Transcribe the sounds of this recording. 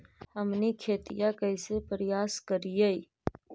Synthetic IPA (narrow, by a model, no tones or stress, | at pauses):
həmnikʰeːt̪ijakəɪsepəɾjaːskəɾijei